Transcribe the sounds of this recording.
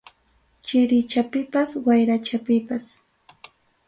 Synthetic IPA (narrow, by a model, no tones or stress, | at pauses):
t͡ʃɪɾɪt͡ʃapɪpaswajɾat͡ʃapɪpas